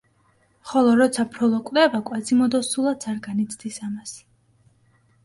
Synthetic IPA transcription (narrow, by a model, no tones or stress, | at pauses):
χɔlˠɔɾɔt̪sʰapʰɾɔlˠɔkʼd̪ɛvakʼwad̪zimɔd̪ɔsulˠat̪sʰaɾɡanit̪sʰd̪isamas